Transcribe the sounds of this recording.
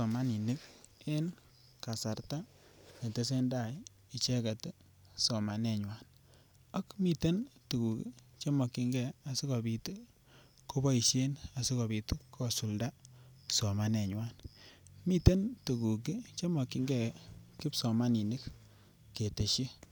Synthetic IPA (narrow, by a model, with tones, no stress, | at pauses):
ɔ˨ma˦ni˨ni˦ke˦n | ka˨sa˨ɾta˦ | ne˨te˦s̬e˦nda˦˨j | i˨t͡ʃɛ˦ka˨tɛ˦ | sɔ˨ma˨nɛ˨ɲwa˦n | a˦kmi˦te˦ntu˨ku˨ki˦ | t͡ʃe˦mɔ˨ki˧ŋɡɛ˨a˨si˦kɔ˨bi˨tu˦ | ko˦bɔ˦i˨ʃe˦na˨si˦kɔ˨bi˨tu˦kʰːɔ˦su˨lda˦sɔ˨ma˨nɛ˨ɲwa˦n | mi˦te˦ntu˨ku˨k̬i˦t͡ʃe˦mɔ˨ki˨ŋɡɛ˨ki˦psɔ˨ma˦ni˨ni˦kː | e˨te˨ʃi˦